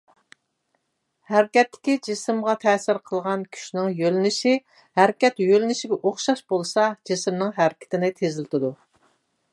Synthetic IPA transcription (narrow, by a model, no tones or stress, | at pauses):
hæɾɪkʲɛt̪ːɪ̥kʲid͡ʒisɪmʁɑt̪ʰɛːsɪɾqʰəlˠʁɑnkʲʰy̥ʃnɪŋjølɪnɪʃi | hæɾkʲɛt̪jølɪnɪʃiɡʲɛʔoχʃɑʃb̥olˠsɑd͡ʒisɪmnɨŋɦæɾɪkʲɪ̥t̪ʰɪnɪt̪ʰezɪlɪt̪ʰɪd̪u